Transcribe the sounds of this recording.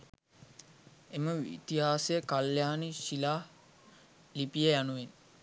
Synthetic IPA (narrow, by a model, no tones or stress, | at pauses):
eməʋḭt̪iɦaːsejəkaljaːniʃilaː | lipijejanuʋen